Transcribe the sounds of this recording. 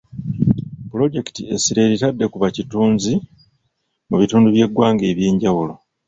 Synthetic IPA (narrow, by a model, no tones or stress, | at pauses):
pulo̞ɟe̞ki̥tie̞siɾe̞ɾitadːe̞kuβacituːnzi | muβituːnduβje̞ɡwaːŋɡe̞ːβjeːɲɟawulo̞